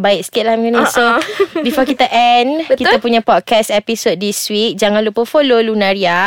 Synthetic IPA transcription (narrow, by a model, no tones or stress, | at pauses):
baɪʔsə̥kɪt̪̚lahmiŋənə̃sobifɔkit̪aʔɛnətkit̪apuɲãpɔd̚kɛsɛpisod̚diswik̚d͡ʒaŋãnlupəfololunãɾia